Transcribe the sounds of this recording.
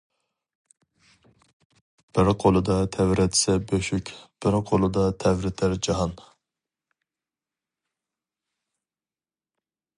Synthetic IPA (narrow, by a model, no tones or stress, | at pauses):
b̥ɪɾqʰolˠɨd̪ɑt̪ʰɛwɾɛt̪ɪ̥sɛbøʃykʲb̥ɪɾqʰolˠɨd̪ɑt̪ʰɛwɾɪt̪ʰæɾd͡ʒɑɦɑn